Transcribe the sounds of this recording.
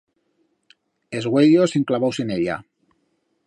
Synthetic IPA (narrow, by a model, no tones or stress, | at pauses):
ezɣweʎoseŋklaβawseneʎa̰